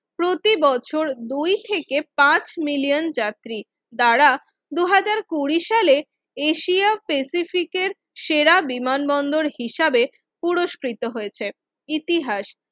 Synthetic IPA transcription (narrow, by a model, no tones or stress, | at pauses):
pɾot̪ibɔt͡ɕʰoɾd̪ujt̪ʰekepãt͡ɕmilijond͡ʑat̪ɾi | d̪aɾa | d̪uɦad͡ʑaɾkuɾiʃale | eʃiapesifikeɾ | ʃeɾabimanbɔnd̪oɾɦiʃabe | puɾoʃkɾit̪oɦoet͡ɕʰe | it̪iɦaʃ